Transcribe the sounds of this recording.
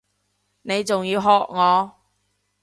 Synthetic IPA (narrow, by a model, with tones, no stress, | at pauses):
ne˨˧jt͡sʊ˨ŋjiː˧wɦɔː˨k̚ŋɔː˨˧